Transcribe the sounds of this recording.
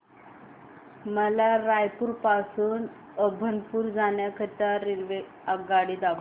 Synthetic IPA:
məlaɾajpuːɾpasuːn | əbʱənpuːɾd͡zaɳjakʰət̪aɾinʋe | aɡaɽiːd̪ab

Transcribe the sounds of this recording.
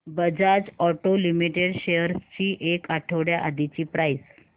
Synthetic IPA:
bəd͡zad͡ʑɔʈolimiʈeɽɕejəɾst͡ɕiːʔekaʈʰəʋɽjaʔad̪it͡ɕiːpɾajs

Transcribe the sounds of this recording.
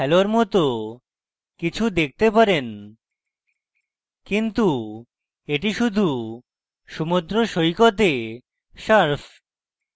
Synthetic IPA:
ɛloɾmɔt̪o | kit͡ɕʰud̪ek̚t̪epaɾen | kint̪u | eʈiʃud̪ʱu | ʃumud̪ɾoʃojkot̪e | ʃaɾf

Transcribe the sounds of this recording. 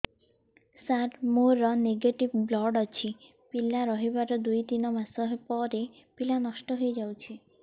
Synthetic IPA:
saʈmoɾɔneɡeʈibblɔɖɔt͡ʃʰi | pilaɾɔɦibaɾɔd̪ujt̪inɔmasɔɦpɔɾe | pilanɔʃʈɔɦojd͡ʒawt͡ʃʰi

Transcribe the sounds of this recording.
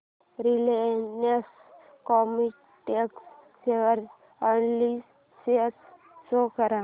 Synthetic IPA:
ɾilenes | kɔmi | ʈeks | seʋəɾ | anli | set̪ | sokəɾa

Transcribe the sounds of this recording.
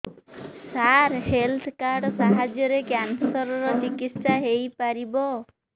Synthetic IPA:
saɾhelt̪ʰkaɾɖsaɦad͡ʒjɔɾekjansɔɾɔɾɔt͡ʃikit̪ssaɦejpaɾibɔ

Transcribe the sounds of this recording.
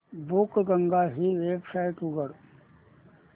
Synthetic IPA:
bʊkɡəŋɡaɦiʋeːbsaːɪʈuɡəɽ

